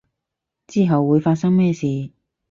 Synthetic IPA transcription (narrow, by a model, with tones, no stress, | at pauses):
t͡siː˥ɦɐ˨wːuː˨˧jfaː˧t̚sɐ˥ŋmɛː˥˧siː˨˧